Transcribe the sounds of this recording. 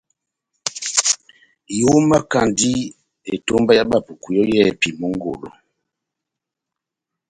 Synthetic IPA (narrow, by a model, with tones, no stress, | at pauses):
jo˦ma˦ka˨ndi˦ | e˨to˦mba˦ja˦ba˦˨pu˨ku˨jɔ˦jɛ˦˨pi˨mo˦ŋ˦ɡo̰˨lo̰˨